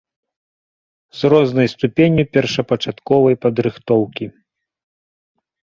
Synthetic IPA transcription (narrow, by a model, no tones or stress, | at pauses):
z̥rɔznɐjst̪upʲenʲjupʲɛrʂɐpɐt͡ʂat̪kɔvɐjpɐd̪ɾɨxt̪ɔwkʲi